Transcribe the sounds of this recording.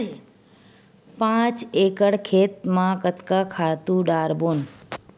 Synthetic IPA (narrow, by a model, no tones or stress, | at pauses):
pãt͡ʃekəɽkʰet̪mãkət̪kakʰat̪ũɖaːɾbon